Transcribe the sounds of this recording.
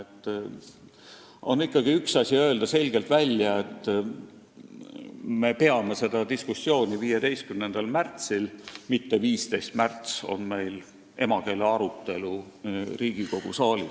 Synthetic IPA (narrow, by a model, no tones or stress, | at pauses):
et̪ˑː | o̞nikːˑɑɡ̥iyksɑsʲiø̞eld̪̥ɑse̞lʲɡ̥e̞lt̪vælʲjɑe̞t̪ːˑ | me̞pe̞ɑme̞se̞d̪̥ɑd̪iskusːjo̞ːnʲiviːjed̪e̞jst̪̚kymnend̪̥ɑlmært̪silmit̪ːe̞viːst̪e̞jst̪mært̪so̞̰nme̞jl | e̞mɑke̞ːleɑɾut̪ːe̞lu | riːɡ̥iko̞ɡ̥ṵsɑːlʲi